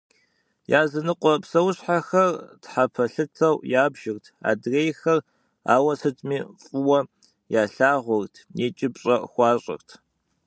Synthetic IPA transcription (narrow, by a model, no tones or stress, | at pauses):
jaːzɨnɨqʷʼɔpsɐwʊɕħaxɐrtħapʰɐɬɨtʰɐwjaːbʒ̥ɪrtʰa̰ːdreːjxɐr | a̰ːwɐsɨtʰʼmiːfʼɨwɐ | jaːɬaːʁʷʊrtʰneːt͡ʃʼɪpɕʼɐxʷɑːɕʼɪ̰rtʰ